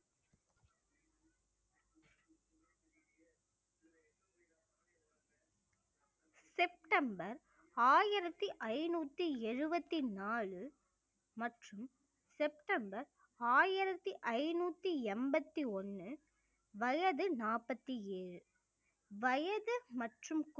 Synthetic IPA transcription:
sɛp̚ʈɐmbɐɾ | aːjɪɾɐt̪ːiʔɐɪnuːt̪ːiɛɻɯbɐt̪ːinaːɭɯ | mɐʈrɯm | sɛp̚ʈɐmbɐɾ | aːjɪɾɐt̪ːiʔɐɪnuːt̪ːiɛmbɐt̪ːiɔnːɯ | ʋɐjɐðɯnaːpɐt̪ːieːɻɯ | ʋɐjɐðɯmɐʈrɯmk

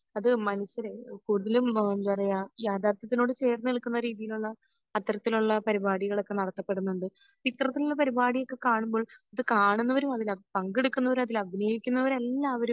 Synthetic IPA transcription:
ɐðɨmɐnuɕjɐɾekuːɽuðɐlumend̪upɐrɐjajaːd̪ʱaːrt̪ɐt̪̬ːino̞ːɽɨt͡ɕe̞ːrnɨiɭkːunːɐɾiːðijiluɭːɐː | t̪rɐt̪ːiluɭːɐpɐɾibaːɽiɣɐɭo̞kːe̞nɐɽɐt̪ːɐpːe̞ɽunːuɳɖɨ | it̪rɐt̪ːiluɭːɐpɐɾibaːɽijo̞kːe̞kaːɳumbo̞ːɭɐðɨkaːɳunːɐʋɐɾumɐðilɐpɐŋɡeɽukːunːɐʋɐɾumɐðilɐbʱineːjikʲːunːɐʋɐɾmelːaːɐʋɐɾum

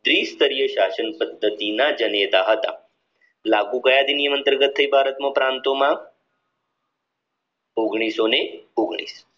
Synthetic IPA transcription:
d̪ɾiːst̪əɾijəɕasənpəd̪ʱːət̪inad͡ʒənet̪aɦət̪a̰ | lakuɡəjad̪inijəmənt̪əɾɡət̪ʰːəibʱaɾət̪məpɾant̪omã | oɡɳ̃isoneoɡɳḭːs

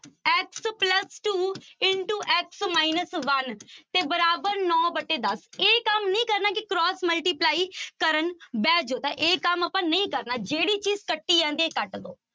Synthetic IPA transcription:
ɛkspləsʈuːɪɳʈuːʔɛksmaːinəsʋənt̪eːbəɾaːbəɾnɔːbəʈːeːd̪əseːkəmnəĩːkəɾnaːkɪkɾɔːsməlʈiːplaːiːkəɾənbɛːd͡ʒoːt̪ãʔeːkəməpãːnəĩːkəɾnaːd͡ʒeːɽiːt͡ʃiːzkəʈːiːɛ̃ːnd̪ieːkəʈd̪o̰ː

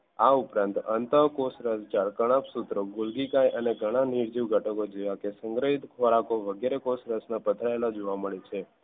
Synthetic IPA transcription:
aupɾãnt̪ə̰nt̪əkosɾəst͡ʃaɾkəɽ̃apsut̪ɾoɡʊlɡikajʔəneɡʱəɽ̃ãniɾd͡ʒiʋɡʱəʈəkod͡ʒeʋakesəŋɡɾəɦit̪kʰoɾakoʋəɡeɾekosɾəsnapət̪ʰɾaelad͡ʒoʋaməɭet͡ʃʰe

